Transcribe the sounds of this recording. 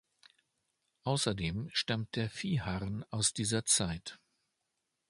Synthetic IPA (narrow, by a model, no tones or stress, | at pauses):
ʔaʊsɐdeːmʃtamt̚d̥eːɐfiːhaʁənaʊsd̥iːzɐt͡saɪt